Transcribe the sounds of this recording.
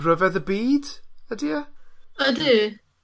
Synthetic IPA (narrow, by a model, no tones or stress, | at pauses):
rəvɛðəbiːd̥ədiəədɨ